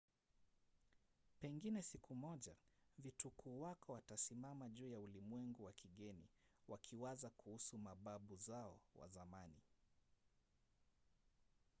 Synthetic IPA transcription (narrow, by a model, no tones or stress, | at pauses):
pɛŋɡinɛsikumɔʄavitukʰuːwakɔwatasimamaʄuːjaulimwɛŋɡuwakʰiɠɛniwakʰiwazakuhusumaɓaɓuzaɔwa̰zamani